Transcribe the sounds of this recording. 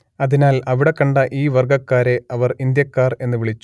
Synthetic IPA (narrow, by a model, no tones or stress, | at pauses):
ɐðinaːlɐʋiɽe̞kːɐɳɖɐʔiːʋɐrɡɐkːaːɾe̞ɐʋɐrind̪jɐkːaːre̞nːɨʋiɭit͡ɕːu̥